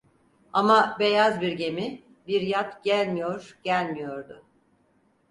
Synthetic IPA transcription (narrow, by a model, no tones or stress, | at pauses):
amabe̞jazbiɾɟe̞mi | biɾjat̪ɟ̥ælʲmijoɾɟ̥ælʲmijoɾd̪ʊ